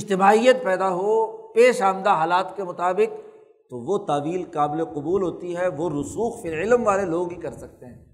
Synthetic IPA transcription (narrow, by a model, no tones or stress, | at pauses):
ɪd͡ʒt̪ɪbaːɦijət̪̚pɛːd̪aɦopeːʃaːmd̪aɦaːlaːt̪kemʊt̪aːbɪk̚ | t̪oʋot̪aːʋiːlqaːbɪleqʊbuːlɦoːt̪iɦɛʋoɾʊsuːxfɪlɪlmʋaːleloːɡbikɐɾsɐk̚t̪eɦɛ̃ː